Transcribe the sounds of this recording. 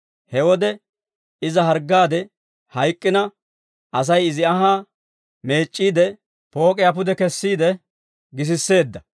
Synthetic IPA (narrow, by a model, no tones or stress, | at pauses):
hɛwɔd̪ɛ | ɪzɐɦɐɾɡaːd̪ɛ | hɐjkʼːɪnɐ | ɐs̬ɐjɪzɪɐɦaː | me̞ːt͡ʃʼːiːd̪ɛ | po̞ːkʼɪjapʊd̪ɛkɛsːiːd̪ɛ | ɡɪs̬ɪsːe̞ːd̪ːɐ